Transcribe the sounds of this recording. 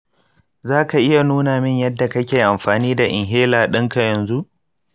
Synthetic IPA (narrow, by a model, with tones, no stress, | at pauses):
zaː˦ka˨ʔɪ˦ja˨nuː˦naː˨mɪ˦ɲjɐ˦dːa˨kɐ˦kʲeː˨ʔa˨mɸaː˨niː˦da˨ʔɪ˨ŋɦeː˦laː˨ɗɪ˦ŋka˨jɐ˨nzu˦ʔ